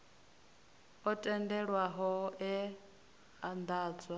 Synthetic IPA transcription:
ɔtʼɛndɛɺwaɦɔɛ | and̪aːd͡zwa

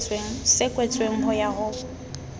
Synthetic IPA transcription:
t͡sʼweŋ̩sɪkʼwet͡sʼweŋ̩ɦʊjaɣʊ

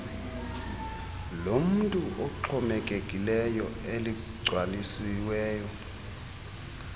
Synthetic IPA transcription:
lom̩ntʼuʔoǁʰɔmɛkʼekʼilɛjɔeli | ɡ͡ǀʱwalisiwɛːjɔ

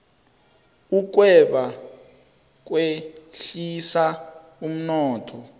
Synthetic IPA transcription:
uk̬wɛɓa | k̬weɬisa | um̩nɔːtʰɔ

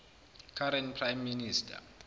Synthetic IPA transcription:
kʰaɾɛntpʰrajmːinistʰa̰

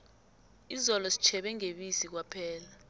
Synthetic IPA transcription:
izɔlɔsi̥t͡ʃʰɛɓɛŋeɓisik̬wapʰɛːla

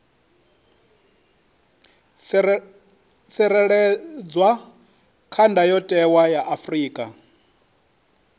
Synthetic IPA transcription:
sɛɾɛɺɛd͡zwa | kʰandʱajɔtʼɛwajaʔafriːkʼa

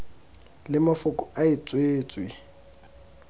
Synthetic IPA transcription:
lɪmafʊkʼɔaɪt͡sʼweːt͡sʼwi

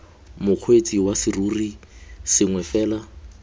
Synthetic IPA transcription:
mʊq͡χʰwet͡sʼiwasɪruːrisɪŋwɛfɛːla

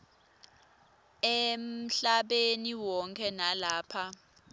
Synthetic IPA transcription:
em̩ɬaɓeniwɔŋkʰɛnalaːpʰa

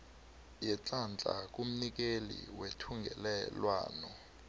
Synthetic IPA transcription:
jɛt͡ɬʼant͡ɬʼa̰k̬ʼum̩nik̬elḭwetʰuŋɡʱɛ̰lɛlwa̰ːnɔ

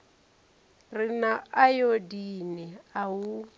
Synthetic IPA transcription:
rinaajodiniaɦu

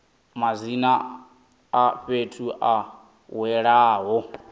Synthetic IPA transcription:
mazinaː | ɸetʰuʔa | wɛɺaːɦɔ

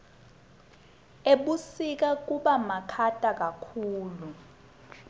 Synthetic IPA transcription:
eɓusik̬ak̬uɓamakʰatʼak̬akʰuːlu

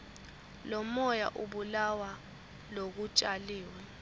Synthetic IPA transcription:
lɔmɔja̰ʔuɓulawa | lok̬ut͡ʃʼaliːwɛ

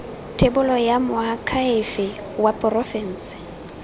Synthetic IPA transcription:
tʰebʊlɔjamʊakʰaɪfɪ | wapʼʊrɔfɛn̩ːsɪ̥

